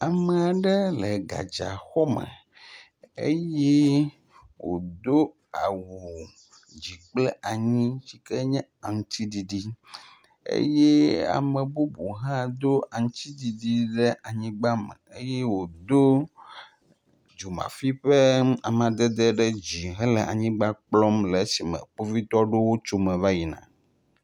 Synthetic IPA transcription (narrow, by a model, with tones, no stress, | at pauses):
a˨mɛ˨a˨ɖɛ˦lɛ˨ɡa̰˨d͡ʒa̰˨xɔ˦mɛ̰˨ | ḛ˦jɛ˦ | wo̰˨d̪o˦ | a˨wu˨ | d͡ʑi˨k͡plɛ˦ʔa˨ɲĩ˦t͡ɕi˦kɛ˦ɲɛ̃˦a˨ŋ̩˦t̪i˦di˨ɖi˦ | ḛ˦jɛ˦a̰˨mɛ˨bu˦bu˨ɦã˦d̪o˦a˨ŋ̩˦t̪i˦d̪i˨ɖi˦ɖɛ˦ʔa˨ɲĩ˦ɡ͡ba˦mɛ̰˨e˦jɛ˦wo˨d̪o˦ | d͡ʒu˨mã̰˨fi˦ɸe˦a̰˨mã˨d̪ɛ˦d̪ɛ˦ɖɛ˦d͡ʑi˨ɦɛ˦lɛ˨a̰˨ɲĩ˦ɡ͡ba˦k͡plɔ˦mlɛ˨˦si˨mɛ̰˨k͡po˦vi˦t̪ɔ˦ɖo˦wo˦t͡ʃo˦mɛ̃˨va˦ji˨nã̰˨